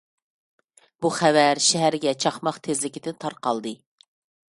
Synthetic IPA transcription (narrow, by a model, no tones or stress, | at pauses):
buχævæɾʃɛɦæɾɡʲɛt͡ʃʰɑχmɑχt̪ʰezlɪkʲid̪ɪt̪ʰɑɾqɑlˠd̪ɨ